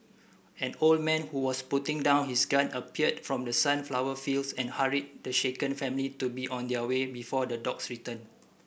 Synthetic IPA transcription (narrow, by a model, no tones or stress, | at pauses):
ɛ̃nold̚mɛ̃nhuwɔsputĩŋdãʊ̃nhisɡãnəpiət̚fɹɔ̃mdəsãnflawəfilsɛ̃nhaɹid̚dəʃekə̃nfɛ̃mlitubiʔɔ̃ndɛəwebifɔdədɔksɹitə̃n